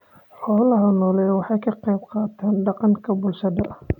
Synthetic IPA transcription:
ħɔːlɐɦɐnɔːlɛwɑħɑjkʰɐqɛjb̚qɑːt̪ʰɛːnɖɑqɑŋkʰɐbʊlʃɐðɐ

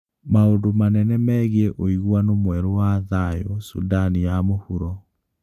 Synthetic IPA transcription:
maondomanɛnɛmɛɣiɛʔoiɣwanomwɛɾowaðajosṵdanijamohuɾɔ

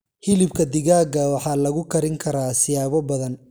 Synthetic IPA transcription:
hɪlɪbkʰɐd̪ɪɣaːɡɐwɑħɑːlɐɣʊkʰɐɾɪŋkʰɐɾaːsɪjaːβɔbɐðɐn

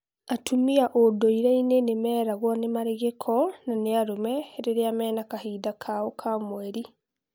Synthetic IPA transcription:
atʰumiaʔodoiɾɛinenemɛːɾaɣwanemaɾeɣekʰɔnaneaɾomɛɾeɾeamɛːnakahiːdakʰaokʰamwɛɾi

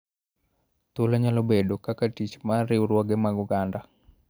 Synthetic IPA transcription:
t̪oloɲalobeɗokakatit͡ʃmaɾiuɾwɔɡɛmaɡuɡanda

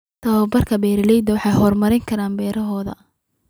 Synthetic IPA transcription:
t̪ʰɐwɐbɐrkʰɐbɛːɾlɛjd̪ɐwɑħɑjhɔːrmɐɾɪŋkʰɐɾaːmbɛːɾɐɦɔːðɐ̰

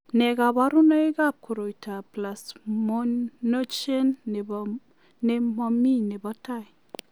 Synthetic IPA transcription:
neɡabaɾunajɡap̚kʰuɾojtʰaplasmoːot͡ʃen | nemaminebataj

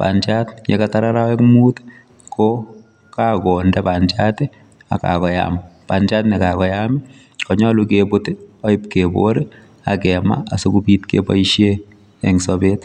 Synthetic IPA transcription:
pa̰nt͡ʃatɲɛ̰kataɾaɾawɛkmuːt | kʰo | kakɔndɛpant͡ʃatɪ | a̰ka̰kɔja̰mpand͡ʒatnɛkakɔjami | kɔɲɔlukeboteɔɪp̚kebo̰ɾe | a̰kɛma̰asokupitkḛbɔ̰iʃje | ɛŋsobet

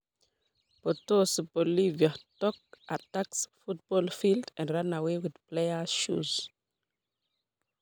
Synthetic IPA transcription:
pɔtosupɔliviatɔk̚ʔataksfut̚b̥ɔlfildɛ̃nɹãnawewið̥pleəʃṵz̥

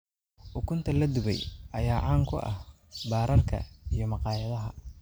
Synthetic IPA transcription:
ʔʊkʰʊnt̪ʰɐlɐd̪ʊβɛ̰jʔɐjaːʕaːŋkʰʊ̰ʔɐ̰h | baːɾʔɐrkʰɐ̰ijɞmɑqɑːjɐðɐɦɐ

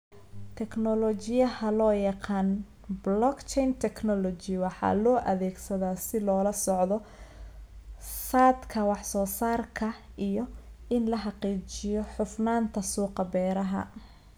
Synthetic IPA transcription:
t̪ʰɛknɔlɔt͡ʃɪjɐhɐlɔːjɑqɑːn | blɔkt͡ʃɛjnt̪ʰɛknɔlɔt͡ʃɪwɑħɑ̰lɔːʔɐðɛːɡsɐðaːsɪlɔːlɐsɔʕðɔ | saːd̪kʰɐwɑħsɔːsaːrkʰɐ | ʔijɔɪnlɐɦɑqiːt͡ʃɪjɔħʊfnaːnt̪ʰɐsuːqɑbɛːɾɐɦɐ̰

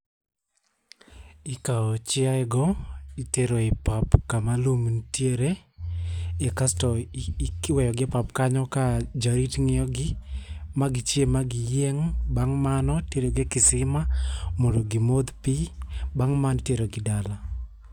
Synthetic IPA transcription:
ɪkaɔt͡ʃɪaɛɡɔiteɾoepapkamalumntjeɾe | ekastɔikwɛjɔɡɪpapkaɲɔkad͡ʒaɾitŋɪɔɡɪmaɡɪt͡ʃjemaɡɪjeŋbaŋmanɔteɾoɡekɪsɪmamondoɡimod̪pibaŋmantjeɾoɡɪdala

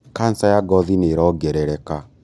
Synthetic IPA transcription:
kansajaɡɔðineɾɔɡɛɾɛɾɛka

